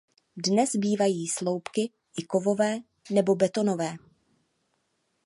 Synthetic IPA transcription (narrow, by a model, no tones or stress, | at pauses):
dnɛzbiːvajiːslo̞wpkɪ | ʔɪko̞vo̞vɛː | nɛbo̞bɛt̪o̞no̞vɛː